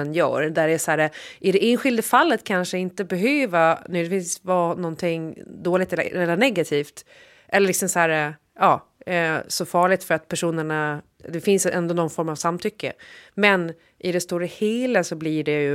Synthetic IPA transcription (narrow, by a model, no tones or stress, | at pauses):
njœ̰ːɾd̪æɖɛsæːɾaʔɪd̪ɛʔeːnɧɪld̪əfalːət̪kʰanʂəɪnt̪əbɛɦøːvanʉd̪ɛfɪnsvɑːnɔnt̪ʰɪŋd̪oːlɪt̪ɛlːɛlənɛɡat̪ʰiːft̪ | ʔɛlːɾɭɪksɔmsæːɾ | ɑː | sɔfɑːɭɪɡt̪fœɾat̪̚pʰæʂuːnəɳa | d̪ɛfɪnsɛ̰nd̪oːnɔnfɔɾmavsamːt̪ʰʏkːə̰mɛn | ʔɪd̪ɛst̪uːɾəheːləsɔblɪɖɛjɵ